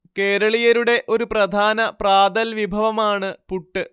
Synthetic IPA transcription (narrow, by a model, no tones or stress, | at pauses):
ke̞ːɾɐɭijɐɾuɽe̞ʔo̞ɾuprɐd̪ʱaːnɐpraːd̪ɐlʋibʱɐʋɐmaːɳɨpuʈːɨ